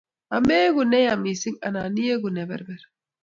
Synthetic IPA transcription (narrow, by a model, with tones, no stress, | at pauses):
a˨meː˦ɡunɛ˦jami˨si˦ŋa̰˨na˨ni˦je˦ɡu˨nɛ˨bɛ̰˨ɾbɛɾ